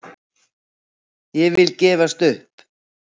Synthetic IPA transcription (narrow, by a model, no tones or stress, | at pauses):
jɛvɪlcɛːvast̪ʏhp